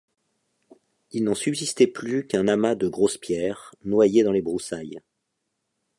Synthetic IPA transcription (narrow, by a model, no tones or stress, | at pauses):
ilnɑ̃sybzist̪ɛplykɛ̃namad̪əɡʁospjɛːʁnwajed̪ɑ̃lebʁusaj